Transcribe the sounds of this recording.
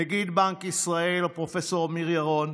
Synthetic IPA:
eɡid̪baŋkisʁaelapʁofeso̞ʁmiʁjaʁon

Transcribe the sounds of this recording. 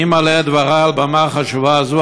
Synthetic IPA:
imalead̪vaʁaalbamaχaʃuvaːzu

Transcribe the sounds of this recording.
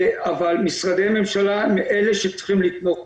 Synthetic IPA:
avalmisʁad̪ejame̞mʃalamiʔeleʃept͡sχimlit̪no

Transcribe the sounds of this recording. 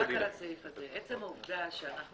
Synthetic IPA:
akalasefazeet͡semauvd̪aʃeanaχnu

